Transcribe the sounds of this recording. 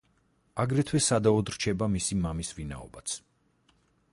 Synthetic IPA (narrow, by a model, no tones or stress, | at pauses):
aɡɾɛt̪ʰwɛsad̪aɔd̪ɾt͡ʃʰɛbamisimamisvina̰ɔ̰bat̪sʰ